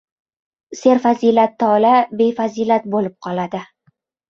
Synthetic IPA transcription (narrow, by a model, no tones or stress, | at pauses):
se̞ɾfazilat̪ʰːɒlabe̞faziːlat̪̚bolɪp̚qʰɒlad̪ɪ